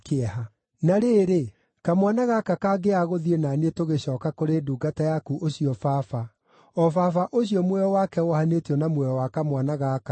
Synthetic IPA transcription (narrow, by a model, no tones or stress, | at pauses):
keaha | naɾeːɾe | kamwanaɣakakaɡeaɣoðienanetoɣeɕɔːkakoɾeduːɡatajakuʔoɕiɔfafa | ɔfafaʔoɕiɔmwɛɔwakɛohanetiɔnamwɛɔwakamwanaɣaka